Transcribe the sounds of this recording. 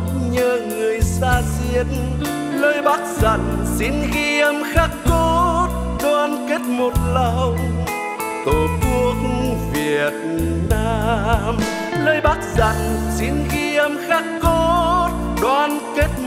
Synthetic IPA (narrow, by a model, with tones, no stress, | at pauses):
ɲəː˧˩ŋɨ˨˩əjsaː˧zi˧ən | ləː˧jɓaː˦˥k̚zə̰˧˨˩nsi˧˦nɣi˧əmxaː˦˥kːo˦t̚ | ɗwaː˧nke˦˥t̚mo˨˩t̚lə˧w | t̪o˨˩t̪u˧˦ək̚ŋvi˨˩ət̚naː˧m | ləː˧jɓaː˦˥k̚zə̰˧˨˩nsi˧˦nɣi˧əmxaː˦˥kːo˦˥˦t̚ | ɗwaː˧nke˦˥t̚